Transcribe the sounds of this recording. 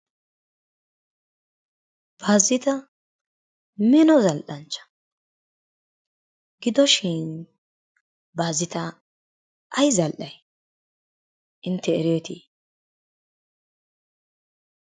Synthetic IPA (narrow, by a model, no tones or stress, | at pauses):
b̥aːzːɪt̪ɐ | mɛnɔzɐlʔɐnt͡ʃːɐ̥ | ɡ̥ɪd̪ɔʃɪn | baːzːɪt̪ɐ | ʔɐjzɐlʔɐj | ʔɪnt̪ːɛɛɾɔt̪iː